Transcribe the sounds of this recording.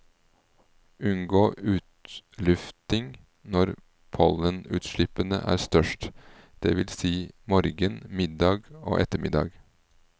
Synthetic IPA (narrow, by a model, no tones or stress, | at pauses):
ʔʉnɡoːʔʉːt̪lʉft̪ɪŋ | nɔɾ | pʰɔlənʉ̰ːt̪ʃɭɪpənə̰ʔæ̰ːɾst̪œʃʈ | d̪̥ḛːʋɪlsiːmɔɾɡənmɪd̪ɑːɡo̰ːʔɛt̪əmɪ̰d̪ɑ̰ːɡ